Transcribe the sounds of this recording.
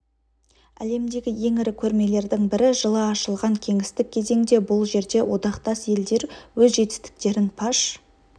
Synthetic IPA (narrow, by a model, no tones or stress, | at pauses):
æ̰le̞md̪e̞ɡʲɪje̞ŋɪɾɪkʲʰɵɾme̞le̞ɾd̪ɪŋbɪɾɪʒəlˠɑɑʃəlˠʁɑŋkʲʰe̞ŋɪst̪ɪk̚ʲʰːe̞ze̞ŋd̪e̞bʊlˠʒe̞ɾd̪e̞wʔo̞d̪ɑqt̪ɑsje̞ld̪e̞ɾwɵzʒe̞t̪ɪ̥st̪ɪ̥k̚t̪e̞ɾɪnpʰɑʃ